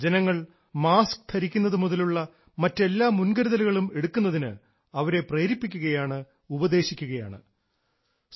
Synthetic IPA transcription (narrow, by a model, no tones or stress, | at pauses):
d͡ʑenɐŋːɐɭ | maːskɨ̥t̪ʰɐɾikʲːunːɐðɨmuðɐluɭːɐ | mɐtːe̞lːaːmunɡɐɾuðɐluɣɐɭume̞ɽukːunːɐðinɨ̰ | ɐʋɐɾe̞preːɾipːikʲːuɣɐjaːɳɨ | ubɐd̪e̞ːɕikʲːuɣɐja̰ːɳɨ